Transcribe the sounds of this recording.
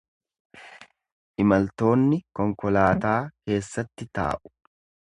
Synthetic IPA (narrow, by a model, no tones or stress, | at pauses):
ʔɪmɐlt̪o̞ːnːɪkɔŋkɔlaːt̪aːke̞ːsːɐt̪ːɪt̪a̰ːʔʊ̥